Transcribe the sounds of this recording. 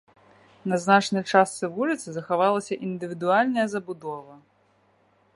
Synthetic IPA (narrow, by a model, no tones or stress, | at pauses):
nɐznat͡ʂnɐjt͡ʂast̪sɨvulʲit̪sɨzɐxavalˠɐsʲɐʔind̪ɨvʲid̪ualʲnɐjɐzɐbud̪ɔvɐ